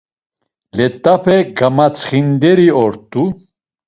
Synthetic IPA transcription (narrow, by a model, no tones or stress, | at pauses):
lɛt̪ʼːapʰɛɡamat͡sʰχind̪ɛɾiɔɾt̪ʼːu